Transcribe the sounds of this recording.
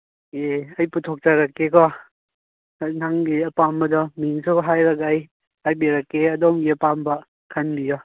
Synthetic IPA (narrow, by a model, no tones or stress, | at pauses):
eɐjputʰɔk̚t͡ʃaɾakːekɔ | naŋɡiɐpambɐdɔmiŋsuɦajɾɐkaj | ajbeɾɐkːeɐdɔmɡiɐpambɐ | kʰanbijɔ